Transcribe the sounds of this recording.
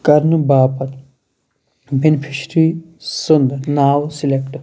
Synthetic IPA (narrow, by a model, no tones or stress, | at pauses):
kɐɾnubaːpɐt̪ | binpʰiʃɾiː | sʊnd̪naːwsilekʈ